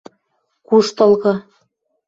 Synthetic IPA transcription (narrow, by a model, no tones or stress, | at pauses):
kuʃt̪ɤ̆lˠɣɤ̆